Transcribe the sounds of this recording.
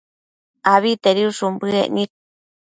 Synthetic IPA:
aβit̪eɾiuʃumbɨḛʔnik̚

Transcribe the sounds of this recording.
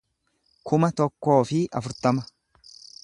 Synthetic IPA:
kʰʊmɐt̪ɔkːo̞ːfɪʔɐ̰fʊɾt̪ɐmɐ

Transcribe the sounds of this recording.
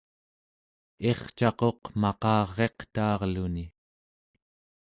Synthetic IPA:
e̞χt͡ʃɑqo̞qmɑqɑːʁːe̞qt̪ɑːʁluni

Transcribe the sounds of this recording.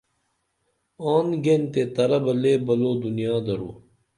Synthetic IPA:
aːnɡent̪et̪ɐɾɐbɐleːbɐloːd̪unijaːd̪ɐɾo̰ː

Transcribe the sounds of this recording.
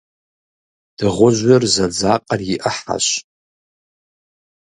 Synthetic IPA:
d̥ɨʁʷʊʒʷɥarzad͡zaqʼariʔaħa̰ʃʷ

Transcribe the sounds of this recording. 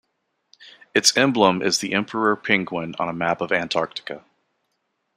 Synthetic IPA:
ɨtsɛ̃mblə̃mʔɪ̰zðiʔɛ̃mpʰə˞ə˞pʰɪ̃ŋɡwɪ̃nə̰̃nəmæpʌvæ̃ntʰɑɹk̚tɨ̥kɨ

